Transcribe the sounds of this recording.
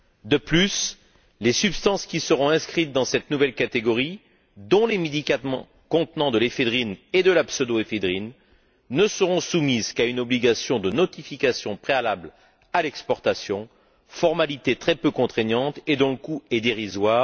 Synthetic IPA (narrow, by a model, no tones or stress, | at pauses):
d̪əplys | lesypst̪ɑ̃skʲisəʁɔ̃ɛ̃skχit̪̚d̪ɑ̃sɛt̪nuvɛlkat̪eɡɔʁi | d̪ɔ̃lemed̪ikamɑ̃ | kɔ̃t̪nɑ̃d̪əlefed̪ʁined̪əlapsød̪oefed̪ʁinː | əsəʁɔ̃sumizkaynɔbliɡasjɔ̃d̪ənɔt̪ifikasjɔ̃pχealabl | alɛkspɔʁt̪asjɔ̃ | fɔʁmalit̪et̪χɛpøkɔ̃t̪χɛɲɑ̃t̪ed̪ɔ̃ləkuɛd̪eʁizwaːʁ